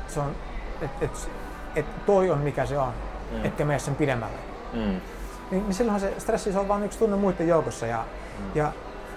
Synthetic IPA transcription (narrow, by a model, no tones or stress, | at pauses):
seon | et̪et̪s | et̪t̪oionmikæseonek̪kːæmeissempidemːæ̰lːḛ | ninisilːhɑsest̪resːisolʋɑːnykst̪unːemuit̪ːejoukosːɑjɑ̰ | jɑ